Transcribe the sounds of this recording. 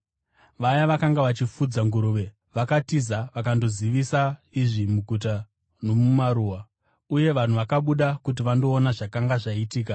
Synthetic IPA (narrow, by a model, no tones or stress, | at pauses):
ʋajaʋakaŋɡaʋat͡ʃifud͡zaŋɡuɾuːʋe̞ | ʋakatizaʋakando̞ziʋisaiʐimuɡʱut̬a | no̞mumaɾuːwa | uje̞ʋan̤uʋakaɓuɗakut̬iʋando̞ːnaʐakaŋɡaʐaitiːka